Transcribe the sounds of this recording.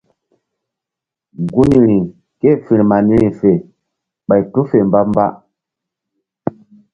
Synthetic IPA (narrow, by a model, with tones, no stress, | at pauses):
ɡu˦ni˨ɾi˨ŋ | ke˦˨fi˨ɾma˨ni˦ɾi˨fe˨ | ɓa˨jtu˦fe˨mba˦mba̰˦